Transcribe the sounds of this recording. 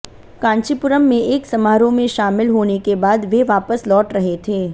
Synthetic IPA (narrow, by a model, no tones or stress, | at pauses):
kãːɲʃipʊɾəmːẽʔeːksɐmaːɾõmẽʃaːmɪlɦoːnekebaːd̪ʋeʋaːpəslɔːʈɾɐɦet̪ʰeː